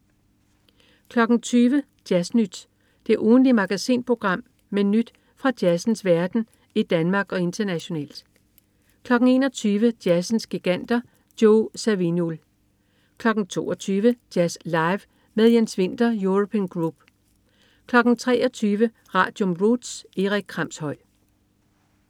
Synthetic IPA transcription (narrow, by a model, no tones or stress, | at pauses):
kʰlɒ̽ɡ̥n̩t͡sʰyːʋə | d̥jæsnyd̥ | d̥e̝ʔuːn̩limɑ̈ɡ̥æsḭːnpʰʁo̝ɡ̥ʁɑ̈m̰ | menyd̥ | fʁɑ̈d̥jæsn̩sʋæɐd̥n̩ | id̥ænmɑ̈ːɡ̥ɒ̽e̝nd̥ɐnæɕo̝nɛ̰ːl̰d̥ | kʰlɒ̽ɡ̥n̩e̝ːnɒt͡sʰyːʋəd̥jæsn̩sɡ̥iɡ̥æn̰d̥ɐ | d̥joʊsæʋinol | kʰlɒ̽ɡ̥n̩t͡sʰo̝̰ːɒt͡sʰyːʋəd̥jæslɑ̈ɪʋ | meðˠjensʋe̝n̰d̥ɐjuʁopʰiːnɡ̥ʁub̥ | kʰlɒ̽ɡ̥n̩t͡sʰʁɛ̰ːɒ̽t͡sʰyːʋə | ʁɑ̰̈ːd̥jomʁud̥se̝ʁiɡ̥̚kʰʁɑ̈m̰shɒ̽ɪ̰